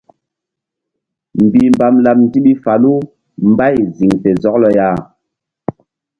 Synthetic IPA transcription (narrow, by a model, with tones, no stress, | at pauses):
m̩˨bi˨m˨ba˨mla˨m̚n̩˦ti˦ɓi˦fa˨lu˦ | m˦ba˦˨jzi˨ŋpɛ˨zɔ˨˦k̚lɔ˦ja˦˨